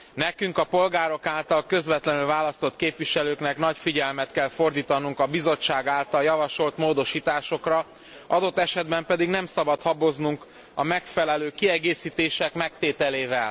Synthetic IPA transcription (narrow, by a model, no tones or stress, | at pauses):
nɛkyŋkɒpo̞lɡaːɾo̞kaːlt̪ɒlkø̞zvɛt̪lɛnylvaːlɒst̪o̞t̪keːpʋiʃɛløːknɛknɒcfiɟɛlmɛt̪kɛlfo̞rd̪iːt̪ɒnuŋkɒbizo̞t͡ʃːaːɡaːlt̪ɒljɒvɒʃo̞lt̪moːd̪o̞ʃiːt̪aːʃo̞krɒ | ɒd̪o̞t̪ːɛʃɛd̪bɛmpɛd̪iɡnɛmsɒbɒt̪hɒbo̞znuŋk | ɒmɛkfɛlɛløːkiɛɡeːsiːt̪eːʃɛkmɛk̚t̪eːt̪ɛleːvɛl